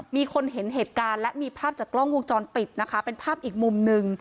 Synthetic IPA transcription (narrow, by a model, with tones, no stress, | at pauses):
miː˧kʰo˧nɦe˩˦nɦeː˨˩t̪̚kaː˧nlɛ˦˥ʔmiː˧pʰaː˥˩p̚t͡ɕaː˨˩kːlɔ˥˩ŋwu˥˧ŋt͡ɕɔː˧npi˨˩t̪̚na˦˥kʰa˦˥pe˧npʰaː˥˩p̚ʔiː˨˩k̚mu˧mnɯ˧ŋ